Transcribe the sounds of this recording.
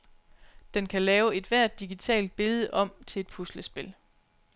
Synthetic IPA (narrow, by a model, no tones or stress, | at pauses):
d̥enkʰælɛːʊe̝d̥ʋæɐ̰d̥ːiɡ̥it͡sʰɛ̰ːld̥̚b̥e̝lð̞ˠəʔɒ̽m̰t͡sʰe̝e̝d̥̚pʰusləsb̥e̝l